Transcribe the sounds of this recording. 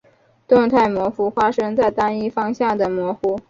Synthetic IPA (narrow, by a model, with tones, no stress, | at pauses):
t̪ʊ˥˧ŋt̪ʰa˥˩ɪmwɔ˧˥fu˧˥fwa˥ʂɤ˥ŋt͡sa˥˩ɪt̪a˥ni˥fɑ˥ŋɕjɑ˥˩ŋd̪ə˩mwɔ˧˥xu˥